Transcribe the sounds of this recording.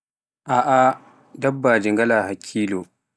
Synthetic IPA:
ʔaːʔa | dɐbːaːd͡ʒɪŋɡɐlaːhakʲʰːiːloː

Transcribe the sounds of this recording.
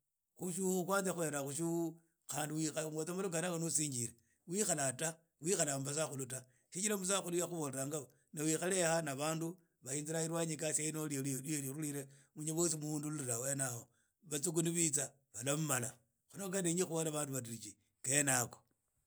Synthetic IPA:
xuʃuxukwaːnt͡sexwe̞ɾaxuʃuu | xaːndiwixaŋɡot͡samaluɡanakonusiːɲd͡ʒiɾe | wixalata | wixalambas̬axuluta | ʃit͡ʃilamus̬axulujaxuβoleɾaŋɡao | nawixalexanaβaːndu | βainziɾaiɾwaɲikasainolileliɾuliɾemuɲiβos̬imuuːndululilawenaho | βat͡suk̬uniβit͡sa | βalamumala | xonokaneɲixuβolaβaːnduβat̬iɾit͡ʃi | kenako

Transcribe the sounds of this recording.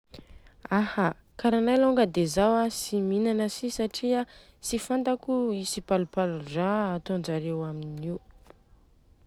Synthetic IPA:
aha | kaɾanajloŋɡəd̪ezawasiminanəsisaʈ͡ʂia | sifant̪akuisipalupaluraːt̪ond͡ʒaɾewaminiw

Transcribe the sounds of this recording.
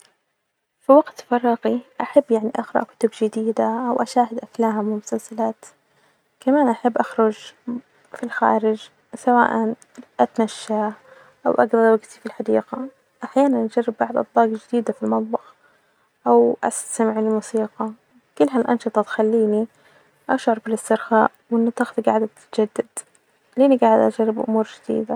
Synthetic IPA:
fiwaɡt̪fɑrˤːɑqiʔaħabːjaʕniʔaxɾɑ̰ʔkʊ̥t̪ʊbd͡ʒɪd̪iːd̪aʔawʔaʃaːɦɪd̪ʔaflaːmwɪlmʊsalsalaːt̪ | kamaːnʔaħabːʔaxɾʊd͡ʒ | filxa̰ːɾɪd͡ʒ | sawa̰ːʔan | ʔat̪naʃːa | ʔawʔaɡðˤɑɾˤwaɡt̪ifilħad̪iːqa | ʔaħjaːnanʔad͡ʒarːɪbːaʕd̪ʔɑ̰t̪ˤbɑːɡd͡ʒɪd̪iːd̪afilmɑt̪ˤbɑx | ʔawʔa̰sḁsamɪʕlɪlmusiːqɑ | kʊlːɦalʔɑ̰nʃɨt̪ˤɑt̪xalːiːni | ʔaʃʕɑɾˤbɪlɪst̪ɪɾxaːʔwɪnːat̪ːaːxðɡa̰ʕɪd̪at̪ad͡ʒad̪ːad̪̥ | liːʔniɡaːʕɪd̪ʔad͡ʒarˤːɪbʔʊ̰muːɾd͡ʒɪd̪̥ḭːd̪a

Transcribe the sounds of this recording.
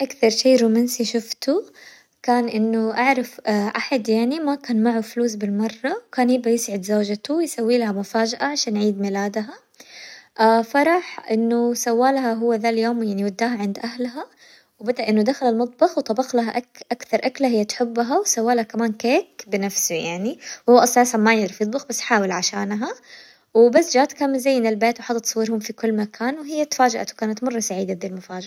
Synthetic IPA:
ʔakθɑɾˤʃeːɾuːmansiʃʊft̪u | kaːnʔɪnːʊʔaʕɾˤɑfʔaħad̪jaʕnimakaːnmaʕufluːs̬bɪlmɑrˤːɑwkaːnjɪbʔajɪsʕɪd̪zoːd͡ʒat̪uwjsawːiːlahamʊfaːd͡ʒaʔaʕaʃaːnʕiːd̪mɪlaːd̪ɦa | ʔaːfɑɾˤɑħʔɪnːʊsawːaːlhaɦʊwːaðaljoːmjaʕniwad̪ːaːɦaʕɪnd̪ʔahlɦa | wbad̪aʔɪnːʊd̪axalalmʊt̪̚ˤbɑxwt̪ˤɑbɑxlaɦaʔaʔakθɑɾˤʔaklahɪjːat̪ħʊbːɦawsawːaːlhakamaːnkeːkbɪnafsujaʕniwhʊwːaʔasˤaːsanmajɪd̪ɾifjɨt̪ˤbɑxbasːħaːwɪlʕaʃaːnɦa | wɪbasːd͡ʒaːt̪kamɪzajːɪnɪlbeːt̪wħɑd̪ˤɑt̪sˤɑwːɪɾhʊmfikʊlːmakʰaːnwɪɦɪjːat̪ḁfaːd͡ʒaʔa̰t̪wkaːnat̪mɑrˤːɑsaʕiːd̪ad̪iːlmʊfaːd͡ʒ

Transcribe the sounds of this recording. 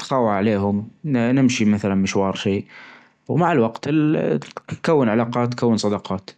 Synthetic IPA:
t̪xɑːwaʕʕaleːɦʊmnɪmʃimaθalanmɪʃwɑːɾˤʃeː | wmaʕɪlwaɡt̪ | kawːɪnʕalɑːqɑːt̪ːkawːənsˤɑd̪ɑqɑːt̪

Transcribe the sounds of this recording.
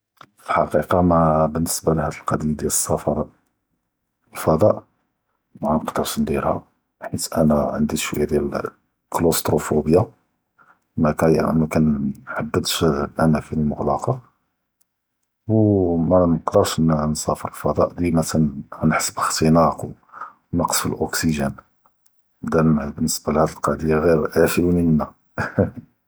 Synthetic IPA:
fəlħɑqiqɑmæbənːəsbalhæd̪əlqɑd̪ijd̪jæləsˤːɑfɑɾˤ | lfɑd̪ˤɑʔ | mænəqd̪əɾʃnd̪iɾhæ̰ | ħit̪ʔænæʕənd̪iʃwd̪jæl | klost̪ɾufubja | mækæmækænħad̪ːəd̪ʃbʔænæfiəlmʊɣlɑqɑ | wmænəqd̪əɾˤʃnsɑfəɾˤəlfɑd̪ˤɑ̰ʔd̪imæsænhænəħsəbəxt̪inɑqw | wnɑqə̥sfilʔoksiʒən | d̪æbənːəsbælhæd̪əlqɑʕd̪əjːaɣiɾʕæʃiwnimənːæ

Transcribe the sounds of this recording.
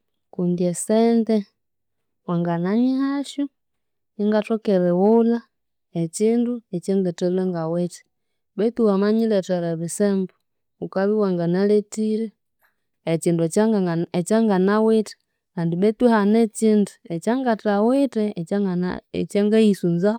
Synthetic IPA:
kundjɛsɛndɛ | waŋɡanaɲihaʃu | iŋɡatɔkɛɾɛwula | ɛt͡ʃinduɛt͡ʃɛŋɡɛtɛlɛŋɡawɛtɛ̥ | ɓɛt̪uhamaɲilɛtaɾaβisɛmbɔ | ukaβiwaŋɡanalɛtiɾɛː | t͡ʃinduɛt͡ʃaŋɡanawitɛ̥ | kandiβɛt̪wihanɛt͡ʃinduɛt͡ʃaŋɡatawitɛ̰ | t͡ʃaŋɡaisunza

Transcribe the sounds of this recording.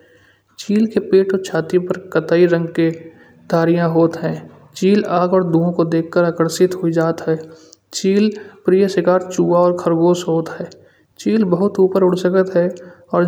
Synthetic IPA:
t͡ʃiːlkepeːʈot͡ʃʰaːt̪ipəɾkət̪aːiɾə̃ŋɡke | d̪̥ʱaːɾijãɦoːt̪ɦɛ̃ː | t͡ʃiːlaːɡɔːɾd̪uõkod̪eːkʰːəɾaːkəɾsɪt̪ɦʊid͡ʒaːt̪ɦɛːt͡ʃiːlpɾiːjəsɪkaːɾt͡ʃuːʋaɔːɾkʰəɾɡoːsɦoːt̪ɦɛː | t͡ʃiːlbəɦʊt̪uːpəɾʊɽsəkət̪ɦɛɔːɾ

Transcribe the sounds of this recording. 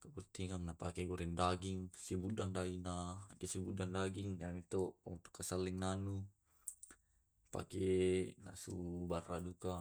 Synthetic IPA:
kaburt̪iŋaŋnapakɛɡɔɾɛndaɡiŋsibudaŋdainakɛsibudaŋdaɡiŋjaŋit̪ɔɔ̰nt̪u̥kːasalːɛŋnanu | pa̰kɛna̰subaraduka

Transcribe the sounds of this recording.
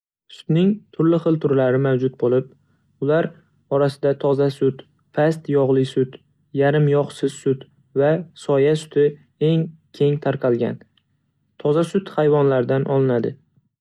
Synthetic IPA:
sʊ̥t̪nɪŋt̪ʰʊɾlɪχɨlˠt̪ʰʊɾlaɾɪmawd͡ʒʊt̪̚bolˠɪp̚ | ʊlaɾ | ɒɾasɪd̪at̪ʰɒzasʊt̪ | pʰast̪jɒʁlˠɪsʊt̪ | jaɾɪmjɒχsɪz̥sʊt̪ | vasɒjasʊ̥t̪ʰɪ | e̞ŋkʲʰe̞ŋt̪ʰaɾqʰɑlˠɡʲa̰n | t̪ʰɒzasʊt̪χajvɒnlaɾd̪anʔɒlˠɪnad̪ɪ

